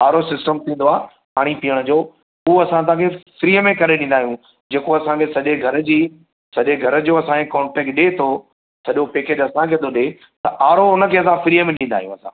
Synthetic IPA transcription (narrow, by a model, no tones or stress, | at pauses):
aːɾosɪsʈəmt̪ʰĩːnd̪oaː | paːɽ̃ipiəɽ̃əd͡ʑoː | uɐsãt̪̬ãːkʰefɾiːəmẽkɐɾeɗĩːn̆d̪aːɦijũ | d͡ʑeːkoɐsãkʰesɐʄeɡʱɐɾəd͡ʑiː | sɐʄeɡʱɐɾəd͡ʑoːɐsãkʰekɔ̃ːɳʈɛːk̚ʈ̚ɗet̪ʰo | sɐʄopeːked͡ʑɐsãkʰeːd̪oɗe | t̪ɐʔaːɾoɦʊnəkʰeːɐsãfɾiːəmẽɗĩnd̪aːɦijũɐsã̰ː